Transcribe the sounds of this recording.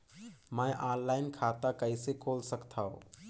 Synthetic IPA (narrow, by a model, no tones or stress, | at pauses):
məʔaːɾlaːɪnkʰat̪akəɪsekʰoːlsəkt̪ʰaɦo̰